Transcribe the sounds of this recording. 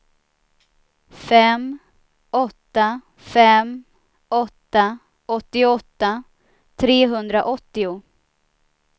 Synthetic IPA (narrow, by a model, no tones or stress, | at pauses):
fɛm | ɔt̪ːa | fɛm | ɔt̪ːa | ɔt̪ːɪʊɔt̪ːa | t̪ʰɾeːɦɵnd̪ɾaʔɔt̪ːɪʊ